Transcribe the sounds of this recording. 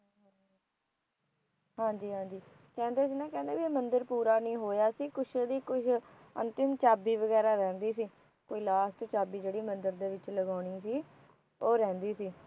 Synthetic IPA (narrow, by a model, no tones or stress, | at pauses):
ɦãːɲd͡ʒiːɦãːɲd͡ʒiː | kɛ̃ːnd̪eːs̬iːnɛ̃ːkɛ̃ːnd̪eːʋimənd̪əɾpuːɾaːnĩːɦoːjaːsiːkʊʃʰed̪iːkʊʃʰ | ə̰̃nt̪ɪmt͡ʃaːbiːʋəɡɛːɾaːɾɛ̃ːnd̪iːsiː | koːiːlaːsʈ̪t͡ʃaːbiːd͡ʒeːɽiːmənd̪əɾd̪eːʋɪt͡ʃləɡaːɽ̃iːsiː | oːɾɛ̃ːnd̪iːsiː